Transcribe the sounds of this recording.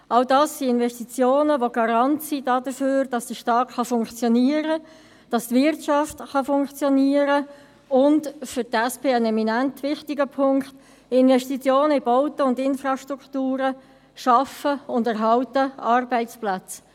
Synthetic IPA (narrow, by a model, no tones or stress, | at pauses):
ɑʊdɑːsːiɪnvɛʃtit͡sjoːnəʋoɡ̥ɑɾɑntsidɑːdəføːɾd̥ɑsd̥əʃtɑːtχɑfʊŋkt͡sjɔniːəɾə | d̥ɑstvɪrtt͡ʃɑftχɑfʊŋkt͡sjɔniəɾə | ʊndfʏtɛspeːənɛminæntvɪχtɪɡəpʰʊŋkχt | ɪnvɛʃtit͡sjoːnəɪboʊtəʊndɪnfrɑʃtʁuktuːɾə | ʃɑfəʊndɛɾɦɑʊtəɑrbɛɪt͡splæt͡s